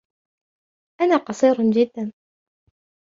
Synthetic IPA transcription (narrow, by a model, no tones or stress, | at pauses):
ʔanaːqɑsˤiːɾd͡ʒɪd̪ːan